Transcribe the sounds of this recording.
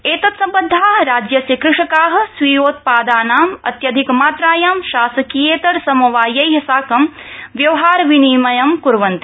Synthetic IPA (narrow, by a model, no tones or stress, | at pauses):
eːt̪ɐt̪sɐmpɐnd̪ʱːaːɦɾaːd͡ʒjɐsɐkɾɪʂɐkaːɦɐ̆sʋiːjoːt̪̚paːd̪aːnaːmɐ̰t̪jɐd̪ʱikmaːt̪ɾaːjaːmʃaːsɐkijeːt̪ɐɾsɐmɐʋaːjɐjɦɐsaːkɐmʋjɐʋɐɦaːɾʋiniːmɐjɐmkuɾʋɐnt̪i